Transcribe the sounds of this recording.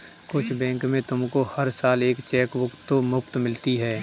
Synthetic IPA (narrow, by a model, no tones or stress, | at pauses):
kʊt͡ʃʰbɛ̃ːŋkmẽt̪ʊmkohɐɾsaːleːkt͡ʃɛːkʋʊkt̪ːomʊpt̪mɪlt̪iɦɛː